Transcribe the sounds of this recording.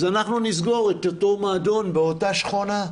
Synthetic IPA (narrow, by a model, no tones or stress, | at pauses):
zanaχnunizɡo̞ʁet̪otomaːd̪o̞nbeotaʃχona